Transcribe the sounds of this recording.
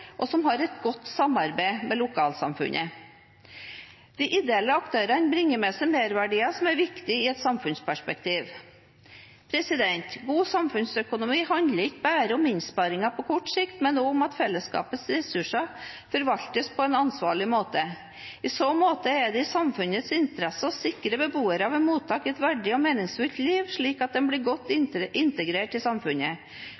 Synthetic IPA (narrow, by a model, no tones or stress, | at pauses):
ʔɔsɔmɦɑɾɛt̪ɡɔt̪ːsɑmɑɾbæɪmɛlʊkʰɑːlsɑ̰mfʉ̰nʔə̰ | d̪̥ɪʔɪd̪ɛɛlːəɑkt̪ʰøːɾənbɾɪŋːəmɛsɛmeːɾʋæɖiːɑsɔmæɾʋɪkt̪ɪɪɛt̪sɑmfʉnspʰæʂpɛkt̪ʰiːʋ | pʰɾɛsɪd̪ɛnt̪ɡuːsɑmfʉnsœkʊnʊmiːhɑnd̪ləɾɪkːbæːɾəʊmɪnspɑɾɪŋɑpʰɔkʰɔʈːʂɪkt̪mɛnoːʊmɑt̪fɛlːəskɑ̰ːpət̪sɾɛsʉʂɑfɔɾʋɑʎt̪əspʰɔɛnɑnsʋɑ̰ːɭɪmoːt̪ə | ɪsoːmoːt̪əɛɖɛɪsɑmfʉnət̪sɪnt̪əɾɛsəɔsɪkːɾəbəbuːəɾəɑʋɛnmuːt̪ʰːɑːkɪɛt̪ʋæɖɪɔmeːnɪŋsfʉlt̪liːʋʂɭiːkɑt̪̚d̪ɛnblɪɾɡɔt̪ːɪnt̪əɡɾeːʈɪsɑmfʉnə